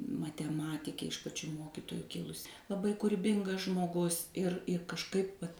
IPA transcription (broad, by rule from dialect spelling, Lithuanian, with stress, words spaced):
mɐtʲɛˈmɑːtʲɪkʲeː ɪʃ pɐˈt͡ʃʲuː ˈmoːkʲɪtoːjʊ ˈkʲɪlˠʊsʲɪ lˠɐˈbɐɪ kʊrʲɪˈbʲɪŋɡɐs ʒmoːˈɡʊs ɪr ɪ kɐʃˈkɐɪp ʋɐt